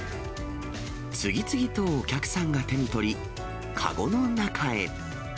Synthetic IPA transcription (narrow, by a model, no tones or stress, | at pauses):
t͡sɨɡʲit͡sɨɡʲit̪o̞ːkʲakɯ̟̥sãŋɡat̪e̞ɲ̟it̪o̞ɾʲi | kʰa̰ɡo̞no̞nakʰae̞̰